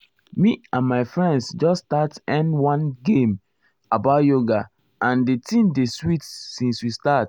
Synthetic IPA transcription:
miãnmaɪfɹɛ̃ndsd͡ʒɔstatɛ̃ndwɔ̃nɡẽm | abaʊtjoɡa | ãndetĩmdeswitsĩnswistat

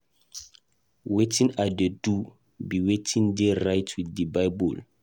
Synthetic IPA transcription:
wetʰĩnadedu | biwetʰĩnderajtʰwiddibajbɔl

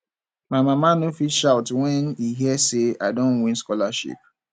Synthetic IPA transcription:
maɪmamanofilʃaʊtwɛ̃niɦiɛseadõnwĩnskɔlaʃḭp̚

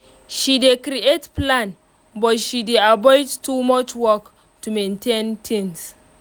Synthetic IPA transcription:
ʃidekɾiʔetplan | bɔtʃideʔabɔjdtumɔt͡ʃwɔk | tumententʰɪ̃ns

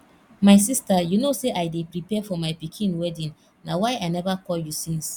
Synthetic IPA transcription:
maɪs̬istajunoseʔaɪdepɾipɛfɔmaɪpikʰĩnwɛdĩn | nawaɪaɪnɛvakʰɔljusĩns

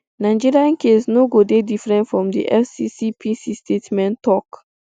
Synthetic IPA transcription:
nãɪ̃d͡ʒiɹiãnkesnoɡodedifɹɛ̃ntfɹɔ̃mdḭʔɛfsisipʰisistʰetmɛ̃ntːɔk

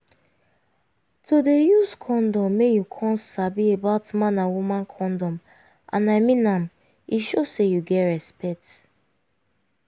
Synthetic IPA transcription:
todejuskʰɔ̃ndɔ̃mːejukʰɔ̃nsabiebaʊtmãnãwumãnkʰɔ̃ndɔ̃m | ʔã̰naɪmĩnãm | iʃosejuɡɛtɹɛspɛk̚t

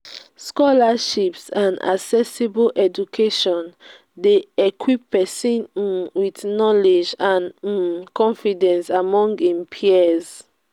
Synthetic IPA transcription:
skɔlaʃipsãna̰ksɛsibolʔɛd͡ʒukʰeʃɔ̃n | deɛkʰwipːɛsĩnwitnɔled͡ʒãn̩kɔ̃nfidɛ̃nsamɔ̃ŋɡĩmpʰiɛz

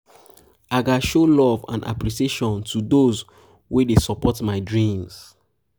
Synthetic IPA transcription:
aɡaʃolɔvã̰nʔa̰pɹisieʃɔ̃ntʰudoz | wedesɔpɔtmaɪdɹĩms

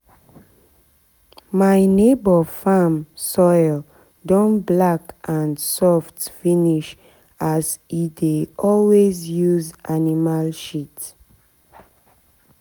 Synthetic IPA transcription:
maɪnebɔfãmsɔɪl | dɔ̃nblakãnsɔftfiniʃ | azideɔlwezjuzanimalʃit

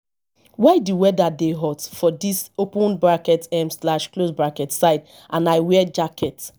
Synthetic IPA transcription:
wajduwɛdadeɦɔtfɔdisopũnbɹakɛtɛ̃mslaʃklosbɹakɛtsaɪd | ãnajwɛd͡ʒakʰɛt

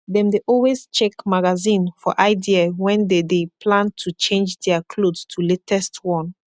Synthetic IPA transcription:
dɛ̃mdeʔɔlwest͡ʃɛkmaɡazĩnfɔʔaɪdiawɛ̃ndedepʰlãntʰut͡ʃẽnd͡ʒdɛakʰlodstʰuletɛstwɔ̃n

